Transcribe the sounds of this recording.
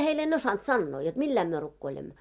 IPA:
heil en osɑnt sɑnːoː jot milːæim myø rukːoilemːo

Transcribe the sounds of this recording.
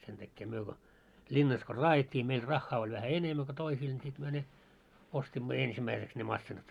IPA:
sentækːeː myø ko linːɑs ko rɑːjetʲːiː meil rɑxːɑː olʲ ʋæhæ enemːæ ko toisiːl nʲi sit myø ne ostimːo ensimːæiseks ne mɑsːinɑt

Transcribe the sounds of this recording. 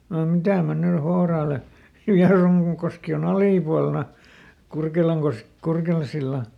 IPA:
no mitæ mæ ny hourɑːle ʋiɑruŋkoski on ɑliˑpuɑlnɑ kurkelɑŋkos kurkelɑn̞silːɑ

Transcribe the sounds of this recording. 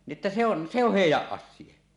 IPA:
ni ʔĕtːæ se on se oh heˑijˑæʔ ʔɑsˑiɑ

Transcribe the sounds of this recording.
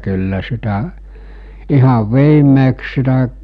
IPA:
kylːæ sitæʔ ihɑʋ ʋiːmːeːks sitæ

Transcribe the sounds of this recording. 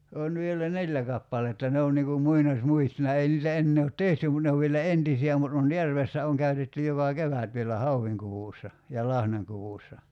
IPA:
on ʋielæ nelʲːæ kɑpːɑletːɑ ne on niŋ kum muinɑsʲmuistonɑ ei niːtæ enːeː ot tehty mut ne oʋ ʋielæ entisiæ mut on jærʋesːæ oŋ kæytetːy jokɑ keʋæt ʋielæ hɑuʋːiŋkuʋuˑsːɑ jɑ lɑhnɑŋkuʋuˑsːɑ

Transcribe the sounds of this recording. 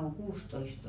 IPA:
oŋ ɡ̊uːstoist

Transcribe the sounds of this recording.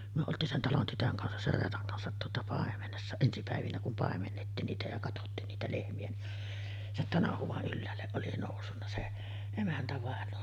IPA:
myø oltˑiːn sen tɑlon tytøŋ kɑnsɑs ser reːtɑŋ kɑnsɑt tuotɑ pɑˑemenesːɑ ensi pæˑeʋinæ kum pɑˑemenːetːiːn niːtæ jɑ kɑtotːiːn niːtæ lehmiæ ni sen tɑnɑhuʋ̆ɑʔ ʔylːæːlːeʔ ʔoli noˑusːunːɑ se emæntæʋɑˑenoː

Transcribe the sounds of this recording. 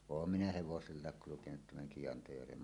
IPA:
oːm minæ heʋoselːɑˑek kulukenut tæmæŋ kij̆ɑntɑjærʋem

